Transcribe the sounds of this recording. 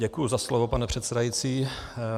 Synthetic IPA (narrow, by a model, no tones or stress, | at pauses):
ɟɛkujuzaslovopanɛpr̥ɛt̪sɛdajit͡siː